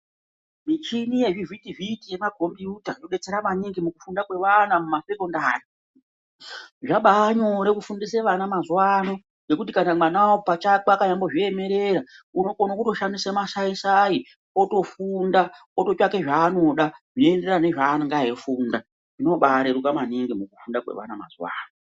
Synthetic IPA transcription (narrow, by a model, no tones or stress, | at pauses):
mit͡ʃinije̞ʐivitivitije̞maɡʱo̞mbiutaoɗe̞t͡se̞ɾamaɲiŋɡimukufundakwe̞ʋanamumasekondaːri | ʐaɓaːɲo̞ɾekufundiseʋanamazuwaːno | ŋɡe̞kutikanamanaopat͡ʃakakaɲambo̞ʐieme̞ɾe̞ɾauno̞konokuto̞ʃandisemasaisai | oto̞funda | oto̞t͡ʃake̞ʐaːno̞ɗaʐinende̞rane̞ʐaːŋɡaefuːnda | ʐino̞ɓaɾeɾukamaniŋɡimukufundakwḛʋa̰nama̰zuwa̰ːno